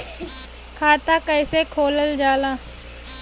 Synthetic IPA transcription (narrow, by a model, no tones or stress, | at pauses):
kʰaːt̪akəɪsekʰoːləld͡ʒaːlaː